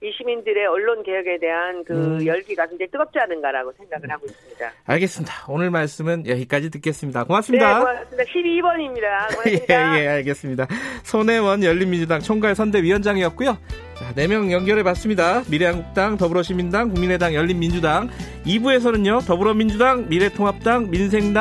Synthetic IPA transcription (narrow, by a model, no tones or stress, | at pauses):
iɕʰimindɯɾe̞ʌɭːonke̞jʌɡe̞de̞ɦankɯjʌɭɡiɡasɯnd͡ʑeɭt͈ɯɡʌp̚t͡ɕ͈ianɯnɡaɾaɡosʰeŋɡaɡɯɭhaɡois͈ɯmɲida̰a̰ɭɡe̞s͈ɯmɲidḁonɯɭmaɭs͈ɯmɯnjʌɡik͈ad͡ʑitɯk͈e̞s͈ɯmɲidakomas͈ɯmidaoasmidaɕʰibibʌɲimɲidajeeje̞aɭɡe̞s͈ɯmɲidasʰone̞wʌnjʌʎːinmind͡ʑudaŋt͡ɕʰʌŋɡaɭsʰʌnde̞ɥiwʌnd͡ʑaŋijʌt̚k͈ujo | t͡ɕane̞mjʌŋjʌŋɡjʌɾepas͈ɯmɲidamiɾe̞ɦaŋɡuk̚t͈aŋtʌbuɾʌɕʰimindaŋkuŋmine̞daŋjʌʎːinmind͡ʑudaŋ | ibue̞s̬ʰʌnɯnjotʌbuɾʌmind͡ʑudaŋmiɾe̞tʰoŋɦap̚t͈aŋminsʰeŋda